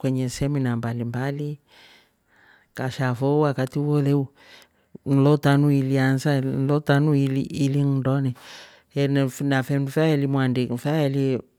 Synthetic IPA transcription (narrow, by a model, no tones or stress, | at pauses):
kwɛɲɛsɛminambalimbali | kaʃafowakatiwoleu | n̩lɔtanuiliansan̩lɔtanuiliiliŋndɔnɛ | ɛnnafɛndufaelimwandikfaeli